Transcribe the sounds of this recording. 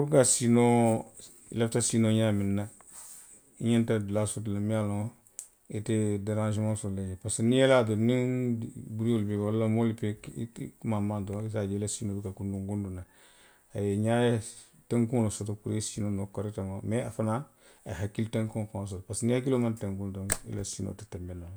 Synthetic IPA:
uɾkasino̰ | laftasinoɲaminːa | iɲentadlasotulamialõ | etedaɾãnʃimãsoleepasenieladoniŋbuɾiolbeolːamolipekmamandoisad͡ʒelasinoːbukakunduŋɡunduna | ajeɲaje | teŋkulosotokuɾesinonokoɾitamameafanan | aɦakilteŋkõŋkos̬otpasnihak̬ilomanteŋkundoŋḭla̰sino̰ti̥tambena

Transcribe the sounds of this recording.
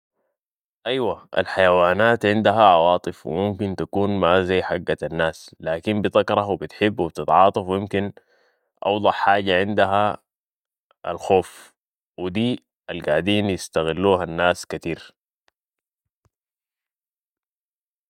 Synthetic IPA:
ʔajwaʔa̰lħajawaːnaːt̪ʕɪnd̪aɦaʕɑwɑːt̪ˤɨfw̰mumkint̪akuːnmazajːħaɡːaanːaːslaːkimbɪðˤɑkɾˤɑwbit̪ħɪbːwibt̪ɪt̪ʕɑːt̪ˤɑfwjɪmkin | ʔɑ̰wd̪ˤɑħħaːɟaʕɪnd̪aɦa | a̰lxoːf | wid̪iː | alɡaːʕd̪iːnjɪst̪aɣɪlːuːɦanːaːskat̪iːɾ

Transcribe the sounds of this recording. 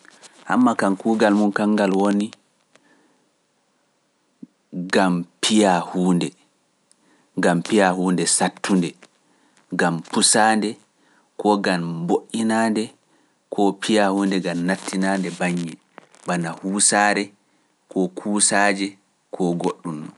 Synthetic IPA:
ʔamːakankuːɡalmunkaŋːɡalwoni | ɡampʰijahuːndɛ | ɡampijahuːndɛsatːundɛ | ɡampusaːndɛ | kɔɡanboʔinandɛ | kʰɔpijahuːndɛɡamnatʰːinaːndɛbaɲːɛ | banahuːsaːɾɛ | kʰɔkʰuːsaːd͡ʒɛ | kʰɔɡoɗːumːɔ

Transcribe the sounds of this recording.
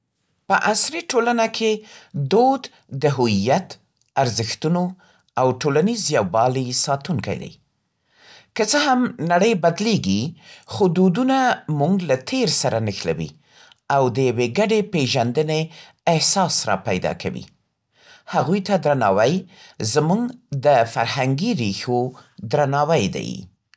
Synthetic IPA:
pəʔasɾiʈolanakʰed̪od̪ | d̪əɦʊijat̪ | aɾzɪxt̪uno | awʈolanizjawbɑlisɑt̪uŋka̰jd̪a̰j | kət͡səhamnaɽəjbad̪leɡixod̪od̪unamuŋɡlat̪ʰeɾsaɾanəxla̰wḭ | awd̪əjaweɡaɖepeʒand̪əneː | hsɑsɾɑ̰pajd̪ɑ̰kʰa̰wḭ | haɣujt̪ad̪ɾanɑwajzmuŋɡd̪əfaɾhaŋɡiɾixod̪ɾanɑwajd̪a̰j

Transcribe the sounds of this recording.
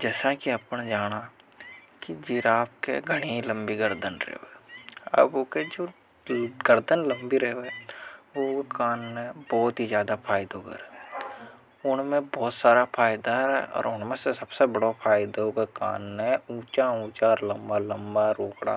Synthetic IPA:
d͡ʒɛːsakiɐpned͡ʒaːɽ̃a | kid͡ʒiːɾaːpkḛɡʱəɽ̃eilə̃mbiɡəɾd̪ənɾḛɦʋeɐ̰boːked͡ʒoː | ɡəɾd̪ənlə̃mbiɾeɦʋeʋokaːnːẽbɔːt̪ɦizjaːd̪apʰaːɪd̪oɡḛɾɛː | ʊnmẽbɔːt̪saːɾapʰaːjɪd̪aɛ̰ɔ̰ːɾʊn̤mẽsesɐbsebəɽopʰaːɪd̪ooɡeka̰ːnẽũːt͡ʃaũːt͡ʃalɐmbalɐ̃mbaɾoːkɽa̰ː

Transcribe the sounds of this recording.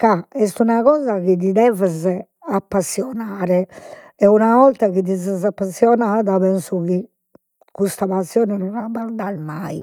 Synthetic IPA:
kaɛst̪unaɣɔːzaɣid̪id̪ɛvɛzɛ | apːasːjɔnaːɾɛ | ɛunavɔlt̪aɣid̪izɛzapːasːjɔnaːðaβɛnsuɣi | kust̪aβasːjɔːnɛnɔnabaɾd̪aɾmai

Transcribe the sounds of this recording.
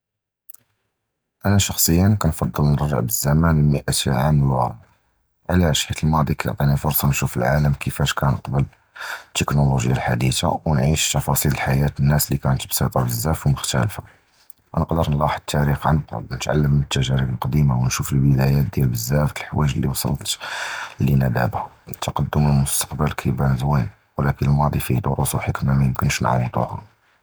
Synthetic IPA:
ʔænæʃɑxsˤəjːənkænfɑd̪ˤːəlnəɾʒːə̰ʕbəzːæmænəlməʔæt̪ʕaməlwæ | ʕlæʃhit̪əlmɑd̪ˤikæjə̰ʕt̪ˤinifʊɾsˤɑnʃufə̰lʕaləmkʰəfæʃkʰænəqbəl | t̪ːəknoluʒəjalħad̪it̪a̰wnʕiʃt̪ɑfɑsˤillħajæt̪ənːæslikæʕənt̪əbsˤɑt̪ˤɑbəzːæfməxt̪æ̰lfa | nəqd̪əɾˤnlɑħəd̪̚t̪ːæɾixʕanb̪ɾ̰d̪nət̪ʕa̰lːəmːənət̪ːæʒæɾibəlqɑd̪imawənʃufəlbəd̪æjæt̪̚d̪jælbəzːæft̪əlħwæʒəlːiwsˤɑ̰lːt̪linæd̪æ̰bhæ | nət̪ːɑqɑd̪ːʊməlmʊst̪ɑ̥qbəlkʰibænəzwin | wlækənəlmɑd̪ˤifid̪oɾusuħəkmamæjəmkənʃn̰ʕa̰wt̪ˤṵʕha̰

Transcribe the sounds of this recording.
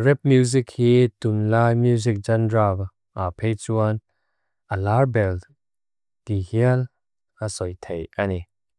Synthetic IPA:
rɛp̚mjuzikhiːt̪unlaːjmjuzik̚d͡ʒɐndral | ʔapʰejt͡suən | ʔəlarbɛl | t̪ihiəl | asɔjt̪ʰejʔani

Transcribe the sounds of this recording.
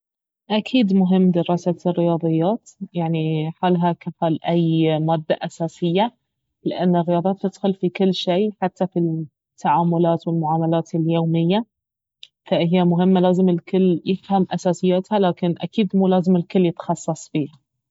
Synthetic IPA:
ʔakʰiːd̪mʊɦɪmːd̪ɪɾɑːsarːɪjɑːðˤɨjːaːt̪jaʕniħaːlɦakafaːlʔajːmaːd̪ːaʔasaːsɪjːa | lɪʔanːɪrːɪjɑːd̪ˤːt̪ːɪd̪xʊlfikʊlːʃeːħat̪ːafi | t̪ʰːaʕaːmʊlaːt̪wɪlmʊʕaːmalaːt̪ɪljoːmɪjːa | faʔɦɪjːamʊɦɪmːalaːzɪmɪlkʊlːjɪfhamʔasaːsɪjːat̪halaːkɪnʔa̰kiːd̪muːlaːzɪmɪlkʊlːjɪt̪xɑsˤːɑsˤbiːha

